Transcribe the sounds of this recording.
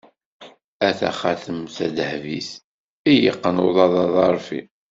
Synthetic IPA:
æθæ̰χaθəmθæd̪hviθ | ijə̰qːənoðˤɑðˤɑðˤɑɾˤfḭ

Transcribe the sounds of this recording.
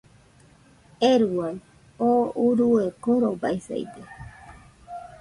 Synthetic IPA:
eɾuwan | ouɾuekoɾoba̰jsḛjd̪e

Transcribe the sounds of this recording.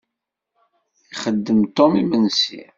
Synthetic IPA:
iχəd̪ːəmt̪omimənsḭ

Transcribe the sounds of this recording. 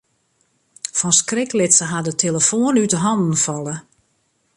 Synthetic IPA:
fɔnskrɪklɪtsəɦadətʰeləfoənytəɦɑndən̩fɔlˠə

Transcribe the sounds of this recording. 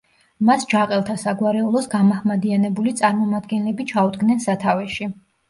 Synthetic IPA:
masd͡ʒaqʼɛlˠt̪ʰasaɡwaɾɛulˠɔsɡamaχmad̪ianɛbulit̪sʼaɾmɔmad̪̚ɡɛnlɛbit͡ʃʰaud̪ɡnɛnsat̪ʰavɛʃi

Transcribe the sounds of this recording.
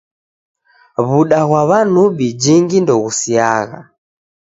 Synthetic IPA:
βuɗaɣwaβanuɓid͡ʒiŋɡindɔɣusiaɣa̰

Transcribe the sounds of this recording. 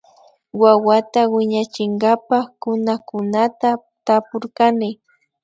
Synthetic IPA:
wawat̪awɪɲat͡ʃɪŋɡapakʊnakʊnat̪a | t̪apʊɾkanɪ

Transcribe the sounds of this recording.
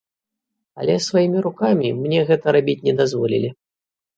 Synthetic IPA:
ɐ̰lʲɛsvajimʲiɾukamʲimnʲɛɣɛt̪ɐɾabʲit͡sʲnʲɛd̪azvɔlʲḭlʲi

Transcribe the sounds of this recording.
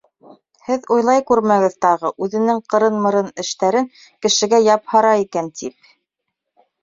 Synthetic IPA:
hɘðŏjlˠɑjkʉɾmæɡɘ̆ðt̪ɑʁɤʔʉðɘ̆nɘŋqɤ̆ɾɤnmɤ̆ɾɤnɘ̆ʃt̪æɾɘŋ | kɘ̆ʃɘ̆ɡæjɑphɑɾɑikænt̪ip̚

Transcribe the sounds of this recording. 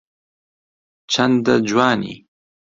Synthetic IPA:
t͡ʃʰand̪ad͡ʒwɑːnḭ

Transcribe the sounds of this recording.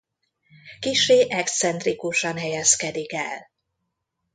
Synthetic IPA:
kiʃeːʔɛkst̪sɛnt̪rikuʃɒnɦɛjɛskɛd̪ikɛ̰l

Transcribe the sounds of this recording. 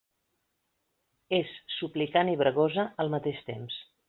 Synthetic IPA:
esːuplikaniβɾəɣozəəlˠmət̪eʃt̪ḛms

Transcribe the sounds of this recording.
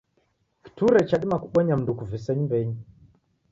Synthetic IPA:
ki̥tuɾɛt͡ʃaɗimakuɓaɲamndukuvisɛɲmbɛɲ

